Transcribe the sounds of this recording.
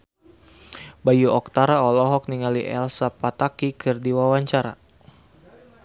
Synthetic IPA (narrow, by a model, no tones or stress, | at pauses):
bajuɔk̚t̪aɾaɔlɔɦɔk̚niŋaliʔɛlsapat̪akikɨrdiwawaɲt͡ʃaɾa̰